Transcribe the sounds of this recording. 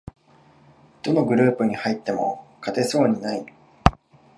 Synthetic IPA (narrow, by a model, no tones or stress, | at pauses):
d̪̥o̞no̞ɡɯ̟ɾɯ̟ːpɯ̟ɲ̟ihait̪ːe̞mo̞̰kʰat̪e̞so̞ːɲ̟inai